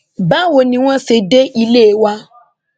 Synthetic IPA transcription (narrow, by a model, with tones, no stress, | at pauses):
ba˦wo˨nĩ˨w̃ɔ̃˦se˨de˦ʔi˦le˦˨wa˦